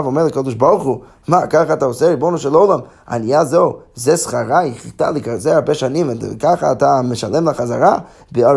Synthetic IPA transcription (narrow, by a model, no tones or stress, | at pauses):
vomɛɾlˠakɔd̪ɪʃbɔɾχu | makaχataosɛɾibonuʃɛlˠowlˠam | a̰nijazozɛsχaɾaχita̰lˠikazeaɾbɛʃanimkaχaataməʃalɛmlaχazaɾa | bea